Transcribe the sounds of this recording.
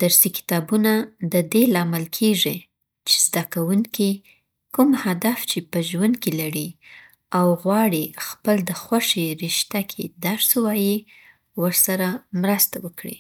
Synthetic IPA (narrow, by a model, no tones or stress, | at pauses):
d̪̥aɾsikɪ̥t̪ɑbunad̪əd̪elɑmɪlkʰeʐi | t͡ʃe̥zd̪akawuŋki | kumhad̪aft͡ʃepəʒwand̪̚kilaɽi | awɣwɑɽixpəld̪əxwaʂeɾiʃt̪akʰḛd̪aɾswɑji | wəɾsaɾamɾast̪awəkɽḭ